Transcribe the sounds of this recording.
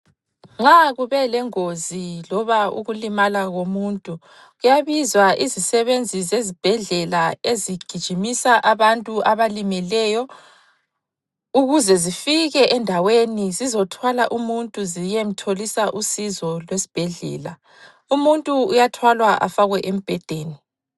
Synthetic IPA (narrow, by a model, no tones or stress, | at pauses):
ŋ͡ǁaɣuβɛlɛŋozilɔβaṵɣulimalaɣomuntʼu | ɣujaβizwaʔizisɛβend͡zʱizezib̥ʱɛɮɛlaeziɡ̥ʱid̥ʒ̥ʱimisaʔaβantʼuʔaβalimilɛjɔ | uɣuzɛzifiɣɛʔɛndʱawenizizɔtʰwalaʔumuntʼuzijem̩tʰolisaʔusizɔlwesi̥b̥ʱɛɮɛ̰ːla | umuntʼuujatʰwalwaʔa̰faɣwɛʔem̩b̥ʱɛd̥ʱeːni